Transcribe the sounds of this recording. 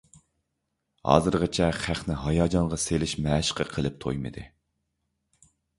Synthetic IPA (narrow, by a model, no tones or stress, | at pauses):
hɑ̰ːzɨɾʁət͡ʃʰɛχæχnɪɦɑjɑːd͡ʒɑɴʁɑselɪʃmɛːʃqʰəqʰəlˠɨp̚t̪ʰo̰jmɨ̰d̪ɨ̰